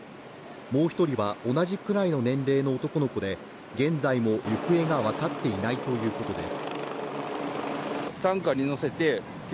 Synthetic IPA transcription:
mo̞ːçi̥t̪o̞ɾʲiβao̞naʑikɯ̟ɾaino̞nẽ̞nɾe̞ːno̞ːt̪o̞ko̞no̞ko̞d̪e̞ | ɡẽ̞nd͡zaimojɯ̟kɯ̟e̞ɡaβakat̪ːe̞inait̪o̞jɯ̟ːko̞t̪o̞d̪e̞̰sɨ̥ | t̪ãŋkaɲ̟ino̞se̞t̪e̞ | kʲ

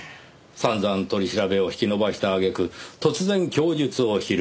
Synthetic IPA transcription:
sãnd͡zãnt̪o̞ɾʲiɕiɾabe̞o̞çi̥kʲino̞baɕi̥t̪aːɡe̞kɯ̟t̪o̞t͡sɨzẽ̞ŋkʲo̞ːd͡ʑɨt͡sɨo̞çiɾ

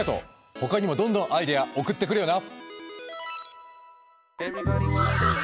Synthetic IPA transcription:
at̪o̞̰ | ho̞kaɲ̟imo̞d̪õnd̪õ̞ʔaid̪ejaʔo̞kɯ̟t̪ːe̞k̬ɯɾɯ̟jo̞na

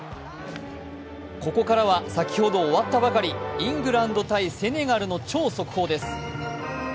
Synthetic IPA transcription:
ko̞ko̞kaɾaβ̞asakʲi̥ho̞d̪o̞ːβat̪ːabakaɾʲiĩŋɡɯ̟ɾãnd̪o̞t̪aise̞ne̞ɡaɾɯ̟no̞t͡ɕo̞ːso̞kɯ̟̥ho̞ːd̪e̞sɨ̥

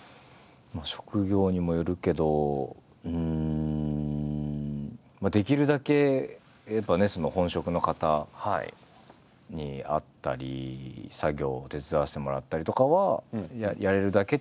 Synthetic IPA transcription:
maɕo̞̥kɯ̟ɡʲo̞ːɲ̟imo̞joɾɯ̟ke̞d̪o̞ | ɯ̟̃ | mad̪e̞kʲiɾɯ̟d̪ake̞ | jabane̞so̞no̞hõ̞ɰ̃ɕo̞kɯ̟no̞kat̪aha | ɲ̟ia̰t̪ːa̰ɾʲḭsaɡʲo̞ːt̪e̞t͡sɨd̪aːɕi̥t̪e̞mo̞ɾat̪ːaɾʲit̪o̞kaβaajaɾe̞ɾɯ̟d̪ake̞

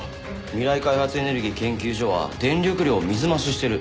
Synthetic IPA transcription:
mʲiɾaikaihat͡sɨe̞ne̞ɾɯ̟ɡʲiːkẽ̞ŋkʲɨːʑo̞βa̰d̪ẽ̞nɾʲokɯ̟ɾʲiomʲizɨmaɕiɕi̥t̪e̞ɾɯ̟

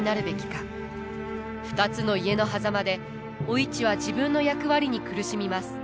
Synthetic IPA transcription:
naɾɯ̟be̞kʲi̥kḁ | ɸɯ̟̥t̪at͡sɨno̞ie̞no̞ɦazamad̪e̞ | oit͡ɕiβ̞aʑibɯ̟̃nːo̞jakɯ̟βaɾʲiɲ̟ikɯ̟ɾɯ̟ɕimʲimasɨ̥

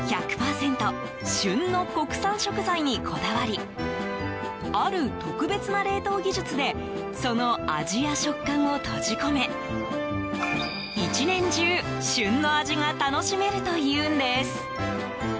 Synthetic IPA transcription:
çakɯ̟̥paːsẽ̞nt̪o̞ | ɕɨ̃nːo̞ko̞kɯ̟̥sãɰ̃ɕo̞kɯ̟zaiɲ̟ikʰo̞d̪aβaɾʲi | aɾɯ̟t̪o̞kɯ̟be̞t͡sɨnaɾe̞ːt̪o̞ːɡʲiʑɨt͡sɨd̪e̞ | so̞no̞a̰ʑiaɕo̞kːãɰ̃o̞t̪ʰo̞ʑiko̞me̞ | it͡ɕinẽ̞ɲ̟d͡ʑɨː | ɕɨ̃nːo̞aʑiŋat̪ano̞ɕime̞ɾɯ̟t̪o̞jɯːnd̪e̞sɨ̥

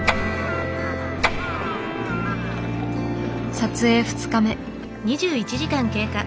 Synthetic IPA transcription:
sat͡sɨe̞ːɸɯ̟̥t͡sɨ̥kame̞ | ɲ̟iʑɨːit͡ɕiʑikãŋke̞ːka

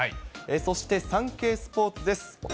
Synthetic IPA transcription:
aeso̞ɕi̥t̪e̞sãŋke̞ːsɨ̥po̞ːt͡sɨd̪e̞sɨ̥

